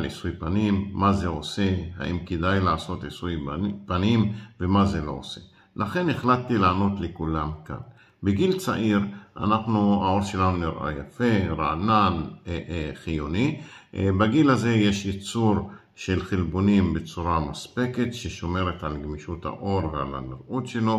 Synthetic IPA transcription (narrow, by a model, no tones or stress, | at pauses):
lḭsujpanimːazeose̞ha̰ʔimked̪ajlaːso̞t̪isujpanimvemaze̞lo̞̰o̰se̞ | laχe̞neχlatːilaːno̞t̪lekulamka̰n | beɡilt͡sa̰ʔiɾʔa̰naχnuao̞ɾʃelanuniɾʔa̰jafe̞ɾanan | χijonibaɡilaze̞jeʃjet͡suɾ | ʃelχelbonimbet͡suɾamaspeketʃeʃo̞me̞ɾet̪alɡmiʃutha̰ʔo̞ɾvea̰la̰niɾʔutʃe̞lo̞